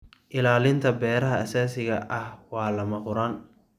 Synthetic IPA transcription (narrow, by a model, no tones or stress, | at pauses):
ʔɪlaːlɪnt̪ʰɐbɛːɾɐɦɐɐsaːsɪɣɐʔɐhwɑːlɐmɐqʊɾaːn